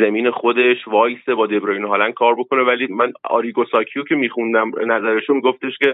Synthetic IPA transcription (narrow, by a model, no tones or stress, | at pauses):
zemiːne̞xo̞d̪e̞ʃvɒːjsebɒːd̪e̞bɾɒjinɦɒːlæn̚kʰɒːɾbo̞kʰo̞ne̞væliːmænɒ̰ːɾiːɡosɒːcʰijocʰe̞miːxund̪æmnæzæɾeʃomiɡo̞ft̪e̞ʃcʲe̞